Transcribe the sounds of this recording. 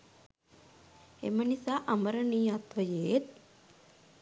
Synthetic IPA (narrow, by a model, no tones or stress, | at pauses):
ḛmənisaːʔaməɾəniːat̪ʋəjeːt̪̚